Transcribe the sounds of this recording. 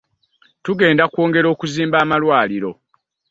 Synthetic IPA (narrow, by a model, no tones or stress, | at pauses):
tuɡe̞ːndakwo̞ːŋɡe̞ɾo̞ːkuziːmbaːmalwaːliɾo̞̰